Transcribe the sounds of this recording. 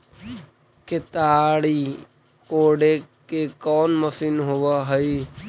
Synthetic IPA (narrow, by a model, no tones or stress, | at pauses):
kɪt̪aːɽiː | koːɽekekɔːnməsiːnɦoːʋaɦəiː